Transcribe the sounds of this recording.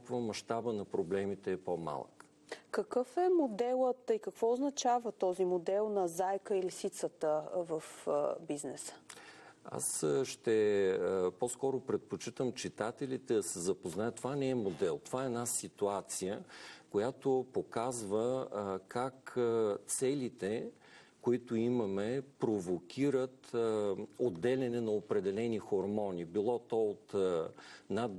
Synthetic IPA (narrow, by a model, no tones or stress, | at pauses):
kvəmɐʃt̪abənɐpɾoblɛmit̪ɛːpoma̰lˠə̰k | kəkɤfɛmod̪ɛlˠət̪ikəkvɔʊznɐt͡ʃavət̪ɔzimod̪ɛlˠnɐzajkəilisit̪sət̪əvəfbiznɛsə̥ | a̰sʃt̪ɛ | pɔskɔɾopɾɛt̪̚pot͡ʃit̪əmt͡ʃit̪at̪ɛlit̪ɛd̪ɐsɛzɐpoznajət̪̚ovanɛɛmod̪ɛlˠt̪ovaɛɛnasit̪uat̪sijəkojat̪opokazvəkakt̪sɛlit̪ɛ | koit̪ʊimɐmɛpɾovokʲiɾət̪ | od̪ːɛlʲɛnɛnɐopɾɛd̪ɛlɛnixoɾmɔnibilˠɔt̪ɔot̪ | nad̪